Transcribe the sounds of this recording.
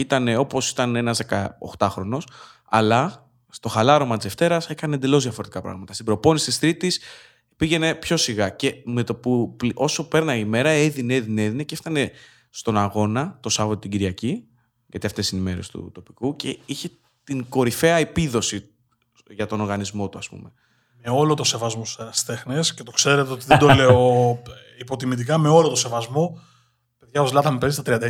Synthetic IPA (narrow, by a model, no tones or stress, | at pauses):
it̪ɐne̞o̞po̞si̥t̪ɐne̞nɐzðe̞kɐ̰o̰xt̪ɐxɾo̞no̞s | ɐ̰lɐ | st̪o̞xɐlɐɾo̞mɐt̪ise̞ft̪e̞ɾɐse̞kɐnend̪e̞lo̞zðjɐfo̞ɾe̞t̪ikɐpɾɐ̰ɣmɐt̪ɐst̪ibɾo̞po̞nisi̥t̪ist̪ɾit̪is | piʝe̞ne̞pço̞siɣɐce̞me̞t̪o̞puplʔo̞so̞pe̞ɾnɐime̞ɾɐeðineeðineðineceft̪ɐne̞ | st̪o̞nɐɣo̞nɐt̪o̞sɐvɐt̪ot̪iɟiɾʝɐci | ʝɐt̪iɐft̪e̞sinime̞ɾest̪ṵt̪o̞pikuce̞içe̞ | t̪iŋɡo̞ɾife̞ɐepiðo̞si | ʝɐt̪o̞noɾɣɐnizmo̞t̪uɐspṵme̞ | me̞o̞lo̞t̪o̞se̞vɐzmosu̥t̪enɐst̪e̞xnescet̪o̞kse̞ɾe̞t̪eo̞t̪iðed̪oleo | ipo̞t̪imit̪̬ikɐme̞o̞lot̪ose̞vɐzmo̞ | pe̞ðʝɐozlɐt̪ɐmepe̞zist̪ɐt̪ɾiɐnd̪ɐ